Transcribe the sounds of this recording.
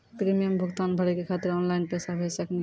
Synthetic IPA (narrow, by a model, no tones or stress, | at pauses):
pɾimijəmbʱuɡt̪anbʱəɽikekʰat̪iɾɔnlaɪnpesabʱesəkni